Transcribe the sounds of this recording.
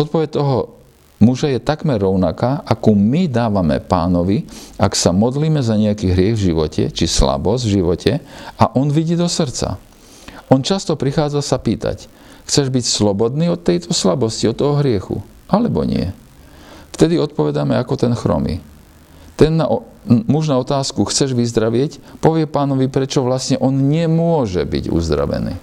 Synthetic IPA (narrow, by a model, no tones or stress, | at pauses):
ɔt̪̚pɔʋɛc̚t̪ɔɦɔ | muʒajɛt̪akmɛɾːɔʊnakaːʔakumid̪aːʋamɛ̰paːnɔʋiaksamɔd̪liːmɛzaɲɛakiːɦɾɪɛɣvʒiʋɔcʰɛ̰t͡ʃisla̰bɔzɟvʒiʋɔcʰɛaʔɔnʋiɟiːd̪ɔsrt͡sa̰ | ɔnt͡ʃast̪ɔpɾixaːd͡zasapiːt̪a̰c | xt͡sɛʒbicslɔbɔd̪niːɔt̪ːɛjt̪ʰɔslabɔsciɔt̪ːɔɦɔɦɾɪɛxṵ | ʔalɛbɔ̰ɲɪ̰ɛ̰ | ft̪ɛd̪iɔt̪̚pɔʋɛd̪amɛakɔt̪ɛnxɾɔ̰mḭ | t̪ɛnːa | muʒnaɔt̪aːskuxt͡sɛʒʋizd̪ɾaʋɪɛcpɔʋɪɛpaːnɔʋipɾɛt͡ʃɔʋlasɲɛʔɔnɲɛmʊɔʒɛbḭɟṵzd̪ɾa̰ʋɛ̰nḭː